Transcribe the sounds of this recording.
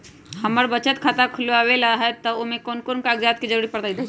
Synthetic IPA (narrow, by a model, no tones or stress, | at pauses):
həməɾbət͡ʃət̪kʰat̪akʰʊlawelaɦɛt̪əomẽkoːnkoːnkaəɡɾjaːt̪̚kid͡ʒəɾuːɾipəɾd̪aid̪a